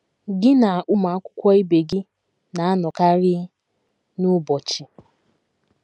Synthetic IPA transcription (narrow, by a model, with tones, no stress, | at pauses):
ɡɪ˦na˨a˨ʔʊ˦ma˨a˦kʷʊ̥˦kʷɔ˦i˦be˨ɡɪ˦ | na˨a˦nɔ˨ka˦ɾɪ˦ | nʊ˦bɔ˨t͡ʃɪ˨